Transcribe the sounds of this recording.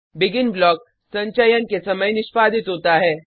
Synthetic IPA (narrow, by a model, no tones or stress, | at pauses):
bɪɡɪnblɔːk̚ | sɐ̃ɲt͡ʃəjənkesɐməjnɪʃpaːd̪ʱɪt̪ɦoːt̪aɦɛː